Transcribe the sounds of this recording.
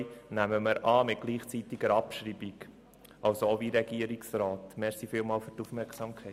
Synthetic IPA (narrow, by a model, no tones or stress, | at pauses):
næməməɾɑːmɪt̚ɡ̥liːχt͡sit̪iɡ̥əɾɑpʃɾiːbiɡ | ɑlsooʋiɾɛɡiəɾiksɾɑːtmɛɾsifɪːlmɑːlfyɾtufmɛɾksɑmkʰɛɪ